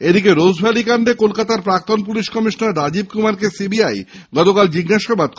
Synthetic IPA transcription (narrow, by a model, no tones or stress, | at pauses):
ed̪ikeɾod͡ʑbʱalikaɳɖekolkat̪aɾpɾak̚t̪onpuliʃkɔmiʃnaɾːad͡ʑib̚kumaɾkesibiaj | ɡɔt̪okald͡ʑiɡɡaʃabad̪̚